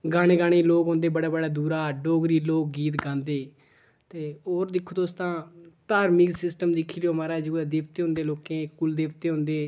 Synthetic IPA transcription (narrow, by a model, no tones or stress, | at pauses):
ɡaːɽ̃eːɡaːɽ̃eːloːkɦõːnd̪eːbəɽaːbəɽaːd̪uːɾaːɖoːɡɾiːloːk̚ɡiːt̪ɡãːnd̪eː | t̪eːoːɾd̪ɪkʰːd̪oːst̪ãːt̪aːɾmiksɪsʈəmd̪ɪkʰːiːɾjoːmaːɾaːd͡ʒəɡaːd̪eːʋt̪eːɦʊ̃nd̪eːloːkẽːkkʊld̪eːʋt̪eːɦʊ̃ːnd̪eː